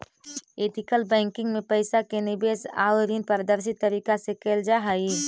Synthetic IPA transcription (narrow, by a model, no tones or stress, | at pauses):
eːʈ̪ɪkəlbɛ̃ːŋkɪ̃ŋɡmẽpəɪsakenɪbeːsa̰ːʋɾinpəɾd̪əɾs̬it̪əɾiːkasekeːld͡ʒaɦai